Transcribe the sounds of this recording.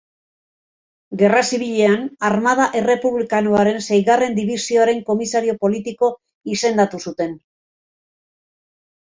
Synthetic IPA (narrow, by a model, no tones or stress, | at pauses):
ɡe̞rasiβ̞iʎe̞anaɾmað̞aʔe̞re̞puβlikanoaɾe̞nsejɣare̞nd̪iβisio̞aɾe̞ŋko̞misaɾio̞po̞lit̪iko̞ | ise̞nd̪at̪usut̪e̞n